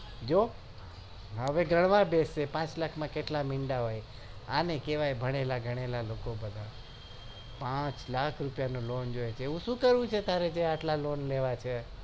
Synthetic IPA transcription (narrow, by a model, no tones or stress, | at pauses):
d͡ʒo | ɦəʋeɡɾəɽ̃ʋãbesepãt͡ʃlakʰmãkeʈlamiɳɖaɦoj | anekeʋajbʱəɽ̃elaɡʱəɽ̃elalokobəd̪ʱa | pãt͡ʃlakʰɾupjanolond͡ʒojet͡ʃʰeeʋũʃũkəɾʋũt͡ʃʰet̪aɾed͡ʒeaʈlalonleʋat͡ʃʰe